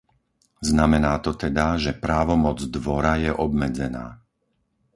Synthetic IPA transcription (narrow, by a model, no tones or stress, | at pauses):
znamɛnaːt̪ɔt̪ɛd̪aʒɛpɾaːʋɔmɔd͡zd̪ʋɔɾajɛʔɔbmɛd͡zɛna̰ː